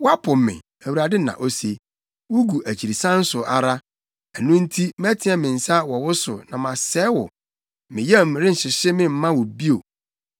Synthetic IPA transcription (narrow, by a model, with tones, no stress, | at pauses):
wɔ˦a˦pʰʊ˨mmɪ̰̃˨ | æ˨wu˨ɾa˨dɪ˦nã̰˨ʔo˦se˨ | wʊ˦ɡu˨ʔæ˨t͡ɕʰi˨ɾi˨sã˦n̩˦sʊ˨ʔa˦˨ɾa˦ | æ˨nũ˦n̩˦tʰi˦m˦ɛ˦tʰɪ̃˨˦ɛ˨mɪ̃˨n̩˨sa˦wɔ˨wʊ˦sʊ̰˨nã˨mã˨sɛː˨˦wɔ̰˨ | mɪ̃˨jɛ˦˨mɾɪ˦n̩˨ɕɪ˨ɕɪ˦mɪ̃˦m̩˦mã˦wɔ˨bi˦o˨